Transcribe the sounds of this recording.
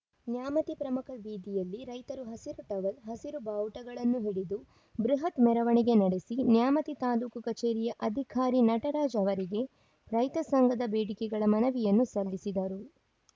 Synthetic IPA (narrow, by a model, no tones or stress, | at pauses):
njaːmɐt̪ipɾɐmukʰɐbiːd̪ijɐlːiɾɐjt̪ɐɾuɦɐsiɾuʈ̪ɐʋɐlɦɐsiɾubɐːwʈɐɡɐɭɐnːuɦiɽid̪u | bɾuɦɐt̪mɛɾɐʋɐɳiɡe̞nɐɽe̞sinjaːmɐt̪it̪aːluːkukɐt͡ʃeːɾijɐʔɐd̪ʱikʰaːɾinɐʈɐɾaːd͡ʒɐʋɐɾiɡe̞ | ɾɐjt̪ɐsɐŋɡɐd̪ɐbeːɽikɛɡɐɭɐmɐnɐʋijɐnːusɐlːisid̪ɐɾu